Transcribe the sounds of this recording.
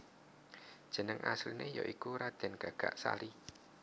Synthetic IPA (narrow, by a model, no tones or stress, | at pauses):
d̥ʒ̥ə̤nəŋʔa̰slinejɔʔikuɾad̪̥ɛ̤nɡ̥aɡ̥a̰ʔsa̰li